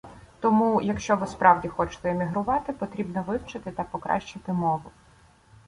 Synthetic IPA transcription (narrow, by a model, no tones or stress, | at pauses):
t̪ɔmujɐkʃt͡ʃɔʋɪspɾʔɑwdʲixɔt͡ʃʊ̥t̪ɛemʲiɦɾʊʋɑt̪ɪpɔt̪ɾʲibnɔʋɪwt͡ʃɪt̪ɪt̪ɐpɔkɾʔɑ̰ʃt͡ʃɪt̪ɪmɔʋʊ